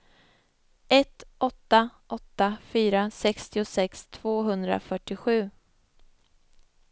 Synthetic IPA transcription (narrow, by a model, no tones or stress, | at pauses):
ɛt̪ɔt̪ːaʔɔt̪ːafyːɾasɛkst̪ɪʊsɛkst̪ʰv̥oːɦɵnd̪ɾa̰fœʈːɪɧʉ̟ː